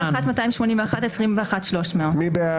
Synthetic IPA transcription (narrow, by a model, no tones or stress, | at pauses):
χat̪matajimʃmo̞nĩmveaχatesʁimveaχat̪ʃlo̞ʃmeomibe